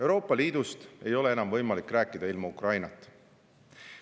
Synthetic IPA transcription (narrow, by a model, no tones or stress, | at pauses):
e̞wɾo̞ːpːˑɑliːd̪ust̪e̞jo̞le̞e̞nɑmvɤjmɑlikːˑræːkːˑid̪ɑilmɑukrɑjnɑt̪ːˑ